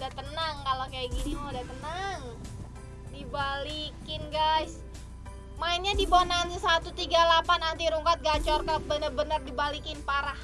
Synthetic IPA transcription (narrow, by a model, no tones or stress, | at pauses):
daht̪ənaŋkalokajaɡinimadaht̪ənaŋ | dibalikɪnɡajs | mainɲadibonansəsat̪ut̪iɡalapanant̪iɾuŋkat̪̚ɡat͡ʃɔrkələp̚bənərbənərdibalikɪnpaɾah